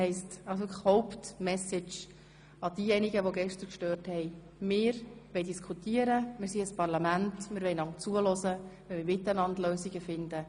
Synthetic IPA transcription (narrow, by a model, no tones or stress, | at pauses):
ɛɪstɑlsokhɔʊptmɛsɪt͡ʃ | ɑd̥iːjɛniɡəʋoɡɛʃtəɾkʃtøːɾthɛɪ | mɪːɾʋɛɪdiskʰutiəɾəmɪːɾsiəspɑʁlɑmæntmɪːɾʋɛɪnɑŋt͡suəlɔzə | ɛmɪɾʋɪt̪ənɑndløːsiɡəfɪndə